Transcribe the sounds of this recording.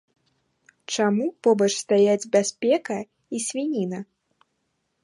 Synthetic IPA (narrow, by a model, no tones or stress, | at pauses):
t͡ʂamupɔbɐt͡ʂst̪ajad͡zʲbʲasʲpʲɛkɐ | isʲvʲinʲinɐ